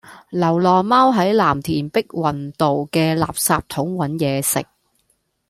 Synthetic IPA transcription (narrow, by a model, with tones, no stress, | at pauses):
lɐ˨˩wlɔː˨˩maː˥wɦɐ˨˥jlaː˨˩mt̪ʰiː˨˩npɪ˥k̚wɐ˨nt̪o˨wkɛː˧la̰ː˨p̚saː˧p̚t̪ʰʊ˨˥ŋwɐ˨˥njɛː˨˧sɪ̰˨k̚